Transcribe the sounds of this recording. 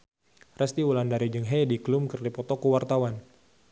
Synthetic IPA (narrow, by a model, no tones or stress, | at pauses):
rɛst̪iwulandaɾid͡ʒɨŋɦɛdiklumkərdipɔt̪ɔkuwart̪awan